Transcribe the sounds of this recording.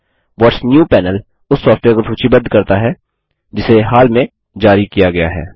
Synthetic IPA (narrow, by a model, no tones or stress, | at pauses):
ʋɔːʈsnjuːpɛːnəl | ʊsːɔːfʈʋeːɾkopʰuːt͡ʃʰibɐd̪kɐɾt̪aɦɛː | d͡ʒɪseɦaːlmẽ | d͡ʒaːɾikijaɡɐja̰ɦɛ̰ː